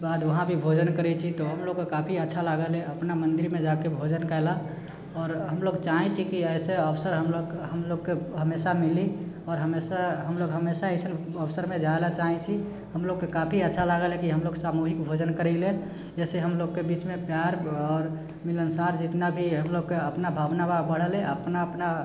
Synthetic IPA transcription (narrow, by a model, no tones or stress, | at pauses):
baːd̪ʋəɦãbʱibʱod͡ʒənkəɾɛt͡ʃʰit̪oɦəmloɡkekapʰiətːʃʰalaɡəleəpnamə̃nd̪iɾmẽd͡ʒakebʱod͡ʒənkɛɛla | ɔːɾɦəmloɡt͡ʃaɦɛt͡ʃʰikiɛɪseəpsəɾɦəmloɡɦəmloɡkeɦəmesamili | ɔːɾɦəmesaɦəmloɡɦəmesaesən | əpsəɾmed͡ʒaelat͡ʃaɦɛ̃t͡ʃʰi | həmloɡ̚kekapʰiətːʃʰalaɡəlɦekiɦəmloɡsamuɦikbʱod͡ʒənkəɾɛɪle | d͡ʒɛseɦəmloɡkebit͡ʃmepjaɾɔːɾ | milənsaɾd͡ʒit̪nabʱiɦəmloɡ̚keəpnabʱabnababəɽ̤əlẽʔəpnaəpna